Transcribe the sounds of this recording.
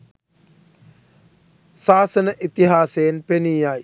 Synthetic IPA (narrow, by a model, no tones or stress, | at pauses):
saːsɐnəʔit̪iɦaːseːnpeniːaj